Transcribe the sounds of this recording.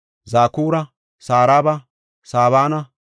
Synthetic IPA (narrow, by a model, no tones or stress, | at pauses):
zaːkuːɾɐ | saːɾaːbɐ | saːβaːnɐ